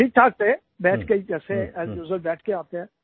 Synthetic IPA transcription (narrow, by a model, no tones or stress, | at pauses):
ʈʰiːk̚ʈʰaːk̚t̪e | bɛːʈʰɡəikɛːseɛ̃ɛːzjuzəɾbɛːʈʰkeaːt̪eɦɛ̃ː